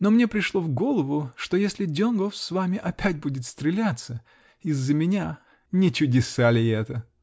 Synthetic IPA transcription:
no̞mnʲepɾʲɪʂlˠo̞vɡo̞lˠəvʊʂt̪ojesʲlʲɪdʲonɡofsvamʲɪʔɐpʲætʲbudʲɪt̪st̪ɾʲɪlʲat̪sə | ɪzːəmʲɪnʲa | nʲɪt͡ɕʊdʲɪsalʲɪɛt̪ə

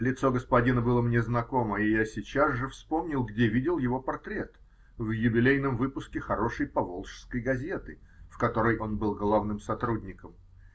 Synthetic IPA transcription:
lʲɪt̪so̞ɡəspɐdʲinəbɨlˠəmnʲeznɐko̞məɪjasʲɪt͡ɕazʐɨfspo̞mnʲɪlˠɡdʲevʲidʲɪlˠjɪvo̞pɐrt̪ɾʲe̞t̪ | vjʊbʲɪlʲejn̪əmvɨpʊskʲɪxɐɾo̞ʂəjpɐvolˠʂskəjɡɐzʲe̞t̪ɨ | fkɐt̪o̞ɾəjʔo̞nbɨlˠɡlˠavnɨmsɐt̪ɾudʲnʲɪkəm

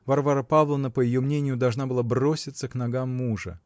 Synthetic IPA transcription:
vɐrvaɾəpavlˠənəpəjɪjo̞mnʲenʲɪjʊd̪ɐlˠʐnabɨlˠabrosʲɪt̪səkn̪ɐɡamːuʐə̰

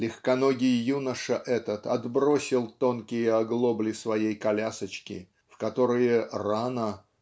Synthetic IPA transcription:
lʲɪxkɐno̞ɡʲɪjjunəʂəʔɛt̪ət̪ɐd̪bɾo̞sʲɪlˠt̪o̞nkʲɪjəɐɡlˠo̞blʲɪsvɐjejkɐlʲasət͡ɕkʲɪ̰ | fkɐt̪o̞ɾɨjəranə

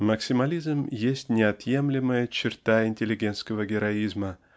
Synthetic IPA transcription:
məksʲɪmɐlʲizmjesʲtʲnʲɪɐt̪je̞mlʲɪməjət͡ɕɪrt̪aɪnʲtʲɪlʲɪɡʲe̞nt̪skəvəɡʲɪɾɐizmə

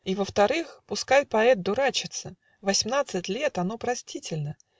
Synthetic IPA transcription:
ivəft̪ɐɾɨxpʊskajpɐɛt̪̚d̪ʊɾat͡ɕɪt̪sə | vɐsʲmnat̪sɨtʲlʲet̪ɐno̞pɾɐsʲtʲitʲɪlʲnə

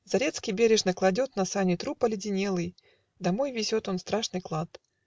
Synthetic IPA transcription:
zɐɾʲe̞t̪skʲɪjbʲeɾʲɪʐnəklˠɐdʲot̪nɐsanʲɪt̪ɾupəlʲɪdʲɪnʲelˠɨj | d̪ɐmojvʲɪzʲot̪o̞nst̪ɾaʂnɨjklˠat̪

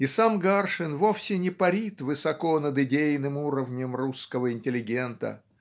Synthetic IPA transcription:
ɪsamɡarʂɨnvofsʲɪnʲɪpɐɾʲit̪vɨsɐko̞nəd̪ɪdʲejnɨmuɾəvnʲəmruskəvəɪnʲtʲɪlʲɪɡʲe̞nt̪ə̰

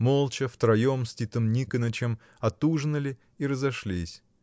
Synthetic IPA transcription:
molˠt͡ɕəft̪ɾɐjomsʲtʲit̪ɨmnʲikənət͡ɕɪm | ɐt̪uʐnəlʲɪ | iɾəzɐʂlʲisʲ

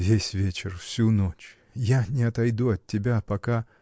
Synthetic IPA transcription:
vʲesʲvʲet͡ɕɪrfsʲunot͡ɕ | janʲɪɐt̪ɐjd̪uɐtʲːɪbʲapɐka

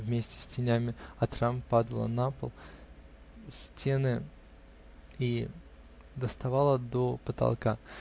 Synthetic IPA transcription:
vmʲesʲtʲɪ̥sʲtʲɪnʲæmʲɪɐt̪ɾampad̪əlˠə̰napə̰lˠ | sʲtʲʰe̞nɨ | i | d̪əst̪ɐvalˠəd̪opət̪ɐ̰lˠka

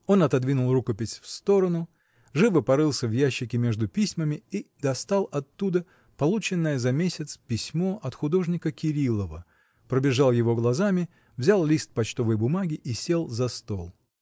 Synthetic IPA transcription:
o̞nɐt̪ɐd̪vʲinʊlˠrukəpʲɪsʲfst̪o̞ɾənʊ | ʐɨvɨpɐɾɨlˠsʲəvjæɕːɪkʲɪmʲe̞ʐd̪ʊpʲisʲməmʲɪid̪ɐst̪alˠɐt̪ːud̪ə | pɐlˠut͡ɕɪnːəjəzɐmʲesʲɪt̪spʲɪsʲmo̞ʔɐt̪xʊd̪o̞ʐnʲɪkəkʲɪɾʲilˠəvə | pɾəbʲɪʐalˠjɪvo̞ɡlˠɐzamʲɪ | vzʲalˠlʲist̪̚pɐt͡ɕt̪o̞vəjbʊmaɡʲɪʔisʲe̞lˠzɐst̪o̞lˠ

